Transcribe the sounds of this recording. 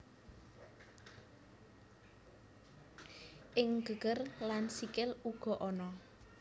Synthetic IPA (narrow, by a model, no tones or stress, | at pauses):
ʔɪŋɡ̥ə̤ɡ̥ərlansikɪluɡ̥ɔ̤ʔɔnɔ